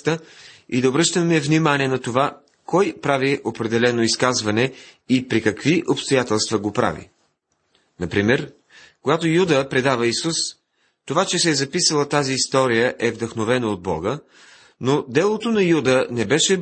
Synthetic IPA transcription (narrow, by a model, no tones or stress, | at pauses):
t̪əid̪ɐobɾɤʃt̪əmɛvnimaniɛnɐt̪ova | kɔjpɾaviʔopɾɛd̪ɛlɛnoiskazvɐnɛ | ipɾikɐkviʔopst̪ojat̪ɛlˠst̪vɐɡopɾa̰vḭ | nɐpɾimɛɾ | koɡat̪ojud̪əpɾɛd̪avɐisus | t̪ovat͡ʃɛsɛzɐpisəlˠət̪aziːst̪ɔɾijəʔɛvd̪ɐxnovɛnəod̪̚bɔ̰ɡə | nod̪ɛlˠot̪onɐjud̪ənɛbɛʃɛ